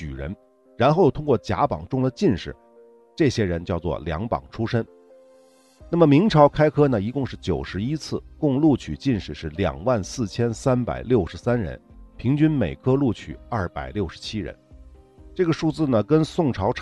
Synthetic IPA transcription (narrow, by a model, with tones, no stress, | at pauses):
t͡ɕy̰˨˩ɻə̰˧˥n | ɻa˧˥nxo˥˩ʊ˧˩t̪ʰʊ˥ŋkwɔ˥˩t͡ɕja̰˧˥pɑ̰˨˩ŋʈ͡ʂʊ˥˧ŋd̪ə˨t͡ɕi˥˧nʂɻ̩˥˩ | ʈ͡ʂɤ˥˩ɕjɛ˥ɻə˧˥nt͡ɕjɑ˥˧ʊt͡swɔ̰˥˩ljɑ̰˧˥ŋpɑ̰˨˩ŋʈ͡ʂʰu˥ʂə˥n | na˥˩mə˩mi˧˥ŋʈ͡ʂʰɑ˧˥ʊkʰa˥ɪkʰɤ˥nə˨i˧˥kʊ˥˧ŋʂɻ̩˥˩t͡ɕjo˨˩ʊʂɻ̩˧˥i˥t͡sʰɹ̩˥˩kʊ˥˧ŋlu˥˩t͡ɕʰy˨˩t͡ɕi˥˧nʂɻ̩˨˩ʂɻ̩˥˩ljɑ̰˨˩ŋwa˥˩˧nsɹ̩˥˩t͡ɕʰjɛ˥nsa˥npa̰˨˩ɪljo˥˩ʊʂɻ̩˧˥sa˥nɻə̰˧˥npʰi˧˥ŋt͡ɕy˥nme˨˩ɪkʰɤ˥lu˥˩t͡ɕʰy̰˨˩ɐ˞˥˩pa̰˨˩ɪljo˥˩ʊʂɻ̩̥˧˥t͡ɕʰi˥ɻə̰˧˥nʈ͡ʂɤ˥˩ɡə˩ʂu˥˧t͡sɹ̩˥˩nə˩kə˥nsʊ˥˩ŋʈ͡ʂʰɑ˧˥ʊʈ͡ʂʰ